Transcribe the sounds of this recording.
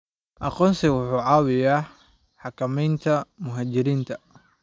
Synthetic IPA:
ʔɑqɔːnsɪwʊħuːʕɑːwɪjaː | ħɑkʰɐmɛjnt̪ʰɐmʊɦaːt͡ʃɪɾiːnt̪ʰɐ

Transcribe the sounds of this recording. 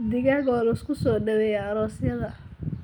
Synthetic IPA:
d̪ɪɣaɣɔːlʊskʰʊsɔːɖɐwɛjaɐɾɔːsjɐðɐ

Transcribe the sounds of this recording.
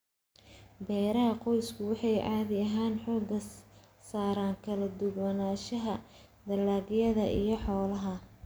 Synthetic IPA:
bɛːɾɐɦɐqɔjskʰʊwɑħɑjʕɑːðɪɐɦaːnħɔːɡɐ | saːɾaːŋkʰɐlɐd̪ʊɣɐnaːʃɐɦɐ | d̪ɐlːaːɡjɐðɐʔḭjɞħɔːlɐɦɐ

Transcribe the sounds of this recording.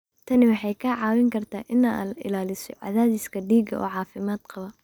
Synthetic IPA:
t̪ʰɐnɪwɑħɑjkʰɐʕɑːwɪŋkʰɐrt̪ʰaːʔɪnaʔɪ̰laːlɪsɔ̰ʕɑ̰ðaːðɪskʰɐɖiːɡɐ̰ʔɔ̰ːʕɑːfɪmaːd̪̥qɑβɐ

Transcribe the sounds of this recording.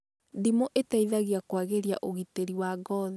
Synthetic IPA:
dimoʔetaiðaɣiakwaɣeɾja̰ʔoɣiteɾiwaɡɔð

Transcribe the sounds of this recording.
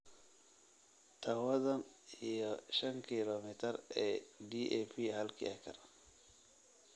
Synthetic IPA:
t̪ʰɐwɐðɐnijɔʃɐŋkʰilɔmɪt̪ʰɐrɛːdiʔɛfiːhɐlkʰḭɐkʰɐ̰r

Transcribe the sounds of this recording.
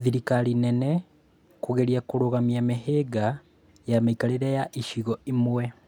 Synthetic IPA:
ðiɾikalinene | kuɣeɾjakuɾuɣamiamiɦeɡa | jamaikaliɾajaʔiʃiɣoimwe

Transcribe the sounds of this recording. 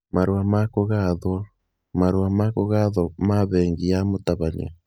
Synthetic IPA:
maɾwamakoɣaðwa | maɾwamakoɣaðwɔmaβɛŋɡijamotaβaɲa̰

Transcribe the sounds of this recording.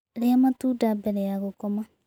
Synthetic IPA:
ɾeamatuːdabɛɾɛjaɣokɔma

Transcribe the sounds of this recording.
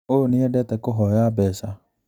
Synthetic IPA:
oniɛdɛtɛkoɦɔjabɛsa

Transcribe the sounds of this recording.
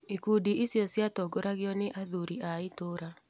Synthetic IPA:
ikudiʔisjɔsjatɔɡoɾaɣeɔneʔaðuɾiʔaitoɾa

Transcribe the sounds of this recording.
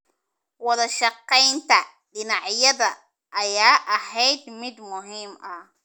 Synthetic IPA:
wɑðɐʃɑqːɛjnt̪ʰɐ | ɖɪnɑʕjɐðɐ | ʔːjaːʔɐhɛjd̪mɪd̪mʊɦiːmɐ

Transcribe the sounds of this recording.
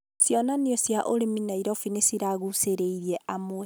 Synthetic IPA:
sjɔnaneɔsjaʔoɾeminaiɾɔfinesiɾaɣuseɾeiɾiɛʔamoɛ

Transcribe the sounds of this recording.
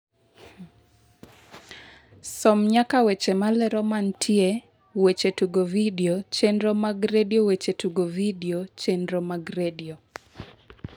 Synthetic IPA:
sɔmɲakawet͡ʃemalɛɾɔmantʰje | wet͡ʃetuɡovidiot͡ʃenɾɔmaɡɾediowet͡ʃetuɡovidiot͡ʃenɾɔmaɡɾedio

